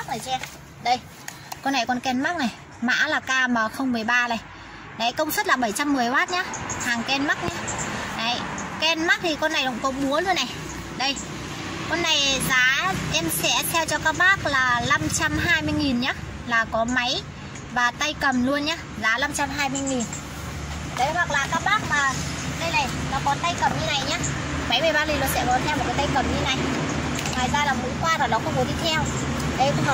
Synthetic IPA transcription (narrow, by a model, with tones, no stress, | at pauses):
k̚ʔəː˨˩t͡ɕɛ˧ | ɗə˧j | kɔ˧nːa˨˩jkɔ˨˧nkɛ˧nma˦˥k̚na˨˩j | ma̰ː˧˥laː˨˩kaː˧məː˨˩xə˧wŋ͡mmɨ˨˩əjɓaː˧na˨˩j | ɗa˨˦jkə˧wŋ͡msə˦˥t̚laː˨˩ɓə˧˩jt͡ɕa˧mːɨ˨˩əjhwaː˦˥t̚ɲaː˨˦˥haː˨˩ŋkɛ˧nma˦˥k̚ɲa˨˦ɗa˨˦jkɛ˧nma˦˥k̚t̪ʰi˨˩kɔ˧nːa˨˩jɗə̰˧˥ŋ͡mkɔ˨˦ɓu˨˦əlu˧ənːa˨˩j | ɗə˧j | kɔ˧nːa˨˩jzaː˨˦ʔɛ˧msɛ̰˧˥t̪ʰɛ˧wt͡ɕɔ˧kaː˦˥k̚ɓaː˦˥k̚laː˨˩la˧mt͡ɕa˧mɦaː˧jmɨ˧əjŋi˨˩nɲaː˨˦˥ | laː˨˩kɔ˨˦ma˨˦j | vaː˨˩t̪a˧jkə˨˩mlu˧ənɲaː˧˦zaː˨˦la˧mt͡ɕa˧mɦaː˧jmɨ˧əjŋi˨˩n | ɗə˨˦hwa˨˩k̚laː˨˩kaː˦˥k̚ɓaː˦˥k̚maː˨˩ɗə˧jna˨˩jnɔ˨˦kɔ˨˦t̪a˧jkə˨˩mɲɨ˧na˨˩jɲaː˧˥ | ma˨˦jməː˨˩jɓaː˧li˨˩lwːnsɛ̰˧˥kɔ˨˦nt̪ʰɛ˧mo˨˩kaː˨˦jt̪a˧jkə˨˩mɲɨ˧na˨˩j | ŋwaː˨˩jzaː˧laː˨˩mṵ˧˥kwaː˧vaː˨˩nɔ˨˦kʊ̰˧˥ŋ͡mmɔ˨˦t̪ʰi˧t̪ʰɛ˧w | ɗə˨˧˦jt̪ha˨˩